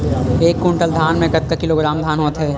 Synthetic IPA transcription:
eːkːuɳʈəld̪ʱaːnmẽkɐt̪̚kakɪloːɡɾaːmd̪ʱaːnɦoːt̪ɦɛː

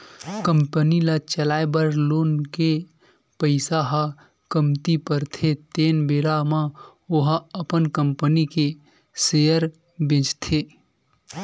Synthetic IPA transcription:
kəmpənilat͡ʃəlaːebəɾloːnke | pəɪsaɦa | kəmt̪ipəɾt̪ʰet̪eːnbeːɾamã | oɦəpənkəmpənike | sejəɾ | bẽːt͡ʃt̪ʰe

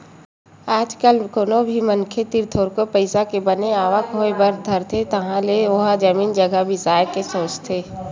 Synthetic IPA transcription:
aːd͡ʒkəlkonobʱimənkʰet̪ɪɾt̪ʰoːɾkopəɪsakebəneaːʋəkɦoebɐɾd̪ʱəɾt̪ʰet̪ɐɦãleoɦad͡ʒɐmiːnd͡ʒɐɡabʱisaːjkesoːt͡ʃt̪ʰeː

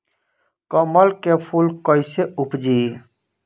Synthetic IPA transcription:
kəməlkepʰulkəjseupd͡ʒi

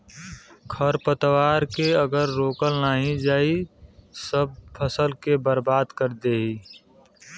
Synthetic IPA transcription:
kʰəɾpət̪waːɾkeəɡəɾːoːkəlnaːɦĩd͡ʒaːisəb̚pʰəsəlkebəɾbaːd̪kəɾd̪eːɦiː

